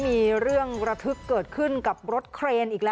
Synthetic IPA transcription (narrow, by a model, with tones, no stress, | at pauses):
miː˧ɾɯ˥˩əŋɾa˧t̪ʰɯ˦˥kkːɤː˨˩t̪̚kʰɯ˥˩nka˨˩p̚ɾo˦˥t̪̚kʰɾeː˧nʔiː˨˩k̚lɛ˦